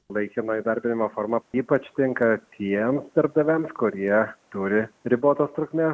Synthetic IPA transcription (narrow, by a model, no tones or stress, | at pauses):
lˠɐɪkʲɪnoːid̪ɐɾʲbʲɪnʲɪmoːfoːɾmɐiːpɐt͡ʃt̪ʲɪŋkɐt̪ʰʲiɛmsd̪ɐɾb̚d̪ɐʋʲɛmskʊɾʲiɛt̪uːɾʲɪɾʲɪboːt̪oːst̪ɾʊkmʲeː